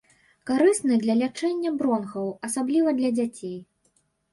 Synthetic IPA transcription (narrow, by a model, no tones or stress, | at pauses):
kaɾɨsnɨd̪lʲɐlʲat͡ʂɛnʲːɐbɾɔnɣɐwɐsablʲivɐd̪lʲɐd͡zʲat͡sʲej